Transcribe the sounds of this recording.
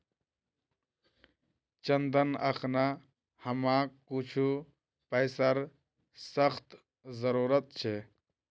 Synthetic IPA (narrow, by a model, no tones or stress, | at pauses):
t͡ʃənd̪ənə̰kʰna | həmãkut͡ʃʰu | pəjsəɾ | səxt̪ | zəɾuɾət̪̚t͡ʃʰe